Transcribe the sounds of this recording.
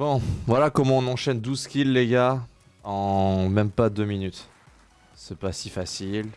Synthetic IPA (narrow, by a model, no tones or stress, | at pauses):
bɔ̃vwalakɔmɑ̃ɔ̃nɑ̃ʃɛnd̪uzkʲilːeɡʲa | ɑ̃mɛmpad̪øminyt̪ | sɛpasifasil